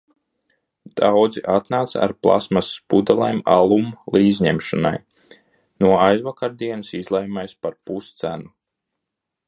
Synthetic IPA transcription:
d̪̥awd̪ziʔat̪naːt̪sa̰ɾplˠa̰smasːpud̪alˠajmalˠumlˠiːzɲɛmʃana̰j | nuɔajzvakaɾd̪iɛnɨsizlˠɛjmajspaɾpust̪sænu

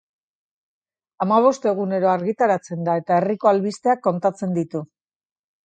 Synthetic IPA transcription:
amaβ̞o̞st̪e̞ɣ̞une̞ɾo̞aɾɣit̪aɾat͡se̞nd̪ae̞t̪ae̞riko̞alβist̪e̞akːo̞nt̪at͡se̞nd̪it̪u

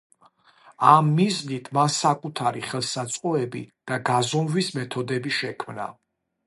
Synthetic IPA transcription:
amːiznit̪ʰmansakʼut̪ʰaɾiχɛlˠsat̪sʼqʼɔɛbḭd̪̥aɡazɔmvismɛt̪ʰɔd̪ɛbiʃɛkʰmna̰

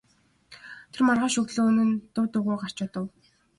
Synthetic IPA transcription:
t̪ʰermarʁaːʃɵɣt̪ɮoːɵnɘ̆nt̪ʊwt̪ʊʁʊːɢar̥t͡ɕʊːt̪ə̆w

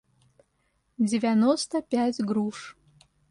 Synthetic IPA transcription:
d͡zʲɪvʲanost̪əpʲæt͡sʲɡɾuʂ

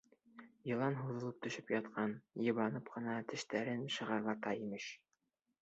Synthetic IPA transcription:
jɤ̆lˠɑnɦuðɤ̆lˠɤp̚t̪ɵ̆ʃɵpjɑt̪̚qʰɑnjɤ̆βɑnɤpqɤ̆nɑt̪ɘ̆ʃt̪æɾɘnʃɤ̆ʁɑɾʁɑt̪ɑimɘʃ

